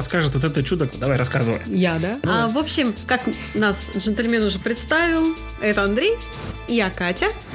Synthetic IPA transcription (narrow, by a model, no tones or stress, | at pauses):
ɐskaʐɨt̪vot̪ɛt̪ət͡ɕud̪əkd̪ɐvajɾɐskazɨvə̰jjad̪aavo̞pɕːɪmkak | nasʐɨnt̪əlʲmʲenʊʐɛpɾʲɪt̪st̪avʲɪlˠ | ɛt̪əɐnd̪ɾʲej | ɪjakatʲə